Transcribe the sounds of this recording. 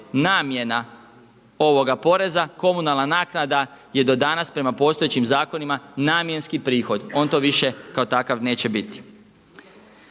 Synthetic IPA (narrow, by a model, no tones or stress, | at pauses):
naːmje̞na | o̞ʋo̞ɡapo̞ɾe̞zako̞munalˠnanaːknad̪aje̞d̪o̞d̪anaspɾe̞mapo̞ːst̪o̞et͡ɕimzaːko̞nimanaːmje̞nskipɾiːxo̞d̪o̞ːnt̪o̞ʋiʃe̞kaot̪akaʋne̞ːt͡ɕe̞bit̪i̥